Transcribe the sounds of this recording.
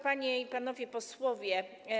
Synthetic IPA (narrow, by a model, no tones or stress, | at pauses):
paɲɛipanɔvʲjɛpɔswɔvʲjɛ